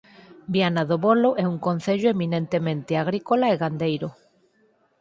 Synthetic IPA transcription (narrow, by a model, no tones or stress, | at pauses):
bianaðoβoloʔɛuŋkon̟θeʎoeminent̪emẽnt̪eaɣ̞ɾikolaeɣand̪ejɾo